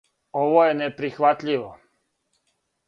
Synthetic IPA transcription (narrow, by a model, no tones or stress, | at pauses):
oʋojenepɾixʋat̪ʎʲiʋo